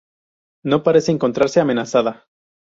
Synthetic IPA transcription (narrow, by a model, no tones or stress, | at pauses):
no̞paɾe̞se̞eːŋko̞nt̪ɾaɾse̞ame̞nasaða